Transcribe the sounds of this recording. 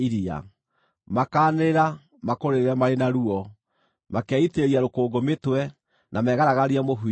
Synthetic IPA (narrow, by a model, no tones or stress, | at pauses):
iɾia̰ | makaːneɾa | makoɾeɾɛmaɾenaɾuɔ | makeaiteɾiaɾokoːɡometwɛ | nʔamɛːɣaɾaɣaɾiamoɦu